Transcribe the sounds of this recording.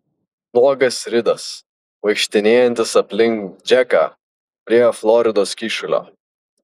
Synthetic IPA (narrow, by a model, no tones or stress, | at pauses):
lˠuɔɡɐsʲɾʲɪd̪ɐs | ʋɐɪkʃʲt̪ʲɪnʲeːjɛnʲt̪ʲɪsɐpʲlʲɪŋkd͡ʒʲæka̰ː | pʲɾʲiɛflˠɔɾʲɪd̪oːskʲiːʃʊlʲo̰ː